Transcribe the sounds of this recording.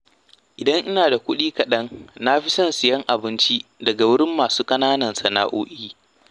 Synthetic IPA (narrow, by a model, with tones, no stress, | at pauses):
ʔɪ˨dɐ˦ŋʔɪ˦naː˨da˨kʷʊ˦ɗiː˦kɐ˨ɗɐ˦ŋna˦ɸi˦sɐ˦˨nsɪ˨jɐ˦ŋʔa˨bɪ˦nt͡ʃi˦dɐ˨ɡa˨wʊ˦ɽɪ˦mːaː˨suː˦kʼɐ˦naː˦nɐ˨nsɐ˨na̰˦ʔoː˦ʔiː˦